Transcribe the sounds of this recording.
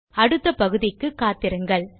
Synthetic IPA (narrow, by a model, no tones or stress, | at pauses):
ɐɽɯt̪ːɐpɐɣɯðɪkːɯkːaːt̪ːɪɾɯŋɡɐɭ